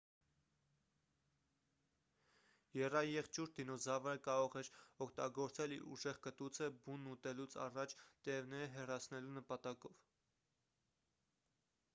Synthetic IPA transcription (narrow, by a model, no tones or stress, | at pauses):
jɛrɑjɛχt͡ʃuɾ̚d̪inɔzɑvəəkɑɾɔʁɛɾɔkʰt̪ɑ̰ɡɔɾt͡sɛliɾṵʒɛʁkət̪ut͡sʰəbunːut̪ɛlut͡sʰɑ̰rɑt͡ʃʰt̪ɛvnɛɾɦɛrɑt͡sʰnɛlunəpɑt̪ɑkɔv